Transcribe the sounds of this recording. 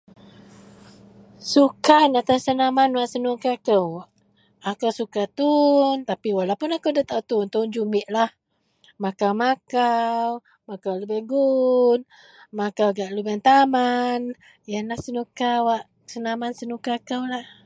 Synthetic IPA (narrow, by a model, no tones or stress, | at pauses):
sukanat̪asənamanwaʔsənukakəwʔ | akəwsukat̪unt̪apiwalapʊnakəwdət̪awt̪unt̪und͡ʒumɪʔlah | makawmakaw | makawləbɛhɡun | makawɡaʔləbɛnt̪aman | janlahsənukawaʔ | sənamansənukakəwlah